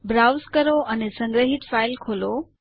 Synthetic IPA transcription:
bɾaːwzkɐɾoʔɐnesɐ̃ŋɡɾəɦɪʈ̪faːɪlkʰoːlo

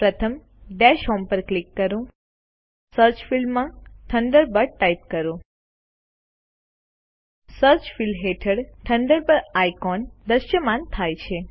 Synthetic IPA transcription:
pɾət̪ʰəm | ɖɛʃɔmpəɾklikːəɾũ | səɾt͡ʃfilmãʈʰəɳɖəɾbəɾʈajp̚kəɾũ | səɾt͡ʃfilɦeʈʰəɽʈʰəɳɖəɾbəɾajkɔnd̪əʃjəmãnt̪ʰajt͡ʃʰe

